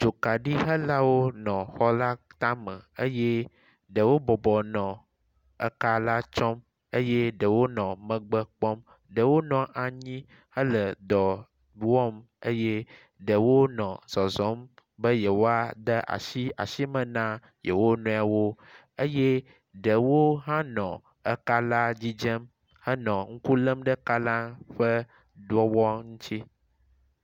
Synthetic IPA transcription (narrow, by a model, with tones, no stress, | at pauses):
d͡ʒo˨ka˨ɖi˦ɦə˦la˦wo˦nɔ̃˨xɔ˦la˦t̪ã˦mə̃˨ə˦je˦ | ɖə˨wo˦bɔ˨bɔ˨nɔ̃˨ | ə̰˨ka˦la˦t͡ʃɔ˦m | ə˦je˦ɖə˨wo˦nɔ̃˨mə̃˨ɡ͡bə˦k͡pɔ˦m | ɖə˨wo˦nɔ̃˨ʔa˨ɲĩ˦ | hə˦lə˨d̪ɔ˨ | wɔ˦m | ə˦je˦ | ɖə˨wo˦nɔ̃˨z̥ɔ˨zɔ˨˦mbə˦je˨wo˦a˦d̪ə˦ʔa̰˨ʃi˦a˨ʃi˦mə̃˨nã˦ | je˨wo˦nũ˨˦a˨wo˦ | ə˦je˦ | ɖə˨wo˦ɦã˦nɔ̃˨ | ə˦ka˦la˦d͡ʑi˦d͡ʒə˦m | hə˦nɔ̃˨ŋ̩˦ku˦lə˦mɖə˦ka˦la˦ɸə˦ | d̪wɔ˦wɔ˦ŋũ˦t͡ɕi˦